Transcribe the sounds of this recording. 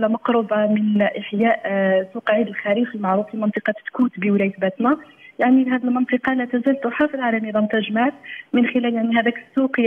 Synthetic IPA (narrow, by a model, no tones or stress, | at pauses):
læmɑqɾʊbɑmənʔəħjæʔsuqʕid̪əlxæɾifəlmɑʕɾufilmɑnt̪ˤɨqɑt̪kut̪bəwlæjt̪bæt̪næ | jaʕnilhæd̪əlmənt̪ˤəqɑlæt̪æzælt̪ʊħafilʕalæmid̪ˤɑmt̪æʒmaʕt̪mənxɪlæljaʕniɦæd̪ækəsːuq